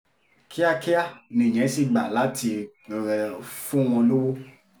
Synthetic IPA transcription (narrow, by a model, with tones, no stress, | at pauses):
kʰi˦a˦ki˦ja˦˨nĩ˨ɲɛ̃˨˦si˦˨ɡ͡ba˨la˨˦ti˧ | fũ˦w̃ɔ̃˧lo˦wo˦